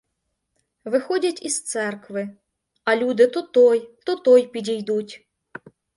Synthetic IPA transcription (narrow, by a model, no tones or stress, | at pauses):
ʋɪxɔdʲɐtʲist̪sɛrkʋɪ | ɐlʲud̪ɪt̪ʊt̪ɔjt̪ʊt̪ɔjpʲidʲijd̪utʲ